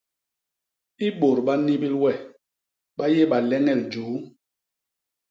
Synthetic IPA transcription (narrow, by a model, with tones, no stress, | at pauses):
i˦ɓo˨ɾɓa˦ni˦bi˦lwɛ˦˨ | ɓa˦je˦ɓa˨lɛ˦ŋɛ˨ld͡ʒuː˨˦